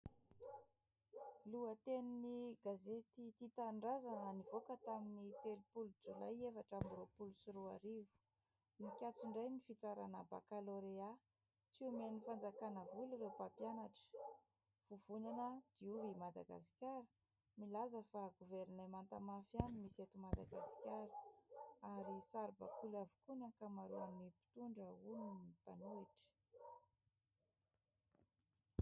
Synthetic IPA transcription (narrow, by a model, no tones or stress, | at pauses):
luət̪eniniɡazet̪it̪it̪aɳɖ͡ʐazananivokət̪aminit̪elupulud͡zula̰jefaʈ͡ʂamropulusuɾua̰ɾivu̥ | mikʲat͡siɳɖ͡ʐajnifit͡saɾa̰nəba̰kaloɾea | t͡siumenifand͡zakanəvuluiɾewpapjanaʈ͡ʂə̥ | v̥uvuɲanəd̪̥iuvimad̪aɡa̰si̥kʲjaɾə̥ | milazəfaɡuveɾinamant̪amafjanimiset̪umad̪aɡasi̥kʲaɾə̥aɾisaɾba̰kulavukunankamaɾuanipi̥t̪uɳɖ͡ʐəuninip̪anuiʈ͡ʂə̥